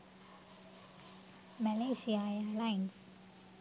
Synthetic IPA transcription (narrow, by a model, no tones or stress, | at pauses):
mɛleʃialaɪns